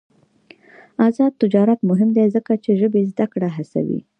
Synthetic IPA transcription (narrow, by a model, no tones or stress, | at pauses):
azɑd̪̚t̪ʊd͡ʒɑɾat̪mʊɦɪmd̪ezəkat͡ʃeʒəbezd̪akɽaɦasa̰wḭ